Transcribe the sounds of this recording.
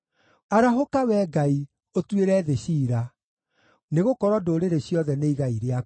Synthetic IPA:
aɾaɦokawɛːɡai | otweɾɛːðeɕiːɾa | neɣokɔɾwɔdoːɾeɾeɕjɔðɛneiɣaiɾea

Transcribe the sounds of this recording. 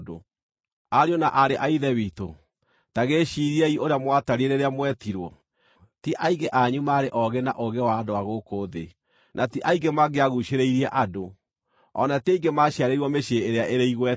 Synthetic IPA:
do̰ | aɾiɔnaʔaɾeʔaiðɛβito̰ | taɣeʃiɾiɛiʔoɾeamwataɾieɾeɾeamwɛtiɾwɔ | tiʔaiɡeʔaɲumaɾeʔɔɣena̰ʔoɣewaːdoaɣokoːðḛ | nʔatiʔaiɡemaɡeaɣuʃeɾeiɾiɛʔado | ɔ̰nateiɡemaʃaɾeiɾwɔmeʃeːɾeaʔeɾeiɣwɛ

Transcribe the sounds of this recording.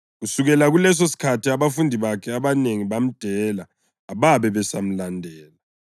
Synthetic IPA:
ɣusuɣɛlaɣulɛs̬osi̥kʰatʰiaβafundʱiβakʰɛaβaneŋiβam̩d̥ʱɛlaː | βaβɛβɛsam̩landʱɛːla

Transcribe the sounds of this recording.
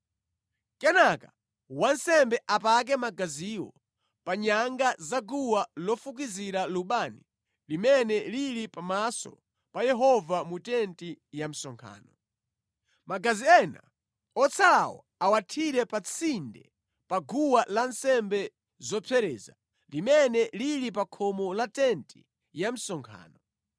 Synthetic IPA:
kɛnaka | wansɛmbɛʔapak̬ɛmaɡaziwɔ̰ | paɲaŋɡazaɡuwalɔfuk̬iziɾaluɓani | limɛnɛliɾipamasɔ̰ | pajɛɦɔvamutɛntijam̩sɔŋkʰa̰ːnɔ | maɡaziɛna̰ | ɔt͡sʰala̰wɔ̰ | awatʰiɾɛpat͡sʰindɛ̰ | paɡuwalansɛmbɛ | zɔpʰɛɾɛ̰ːza̰ | limɛnɛliɾipakʰɔmɔlatɛnti | jam̩sɔŋkʰa̰ːnɔ

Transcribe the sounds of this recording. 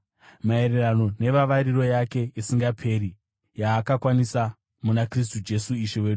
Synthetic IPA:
mae̞ɾe̞rano̞ne̞ʋaʋaɾiro̞jake̞isiŋɡapʰe̞ɾi | jaːkakwanisa | munakris̬tud͡ʒe̞suiʃewe̞ːɗu

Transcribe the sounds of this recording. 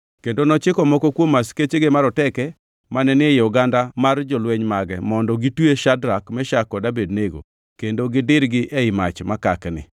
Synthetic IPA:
kendonɔt͡ʃɪkɔmɔkɔkwomasket͡ʃeɡemaɾɔtɛkɛ | manɛnɪjɔɡandamard͡ʒɔlweɲmaɡɛmɔndɔɡitweʃadɾakmɛʃakɔdabed̚neɡo̰ | kendoɡɪdɪɾɡɪʔɛɪmat͡ʃmakaknɪ̰

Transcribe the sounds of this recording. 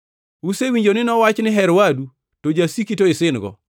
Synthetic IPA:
usewiɲd͡ʒonɪnɔwat͡ʃnɪɦɛɾwadu | tod͡ʒasikitoɪsɪnɡɔ̰

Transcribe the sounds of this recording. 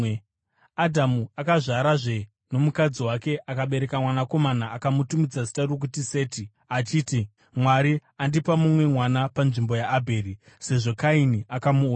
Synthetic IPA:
adʱamuakaʐaɾaʐe̞ | no̞mukad͡ziwake̞ʔakaɓe̞ɾe̞kamwanako̞manaːkamutumid͡zazi̥tarok̬utise̞ːti | at͡ʃiːti | mwaɾiandipamumwe̞mwanapanʐimbo̞jaʔːbʱe̞ːɾi | se̞ʐo̞kainiakamu

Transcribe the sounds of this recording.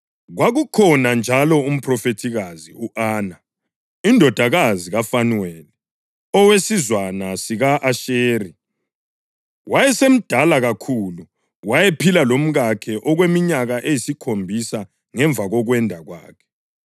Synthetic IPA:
ɣwaɣukʰɔnand͡ʒʱalɔum̩pʰrɔfetʰiɣaziuʔaːna | indʱɔd̥ʱaɣaziɣafanuweli | ɔwesizwanasiɣaʔaʃeːri | wajɛsem̩d̥ʱalaɣakʰulu | wajepʰilalom̩ɣakʰɛʔɔɣwemiɲaɣaʔejisikʰombʱisa | ŋɛɱb̪vʱaɣɔɣwɛndʱaɣwa̰ːkʰɛ̥

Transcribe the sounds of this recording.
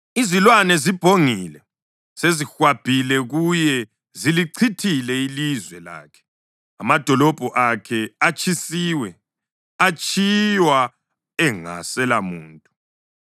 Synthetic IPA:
izilwanɛzib̥ʱoŋilɛ | sezixwab̥ʱilɛɣujɛ | ziliǀʰitʰilɛilizwɛla̰ːkʰɛ̥ | amad̥ʱɔlɔb̥ʱɔʔakʰɛat͡ʃʰʼisiːwɛ | at͡ʃʼʰijwa | ɛŋa̰sɛlamuːntʼu

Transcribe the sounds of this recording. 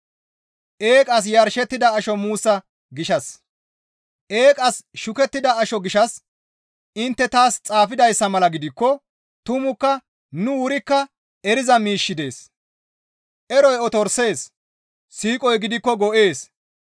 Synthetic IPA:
ʔe̞ːkʼɐs̬jɐɾʃɛt̪ːɪd̪ɐːʃɔmuːsːɐ | ɡɪʃɐs | ʔe̞ːkʼɐsʃʊkɛt̪ːɪd̪ɐːʃɔɡɪʃɐs | ɪnt̪ːɛt̪aːst͡sʼaːfɪd̪ɐjsːɐmɐlɐɡɪd̪ɪkːɔ | t̪ʊmʊkːɐ | nʊwʊɾɪkːɐ | ɛɾɪzɐmiːʃːɪd̪e̞ːs | ʔɛɾɔjɔt̪ɔɾse̞ːs | siːkʼɔjɡɪd̪ɪkːɔɡɔʔe̞ːs

